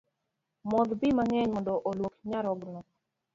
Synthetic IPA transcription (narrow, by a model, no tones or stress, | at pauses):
mɔd̪bimaŋɛɲmɔndɔʔolwokɲaɾɔɡnɔ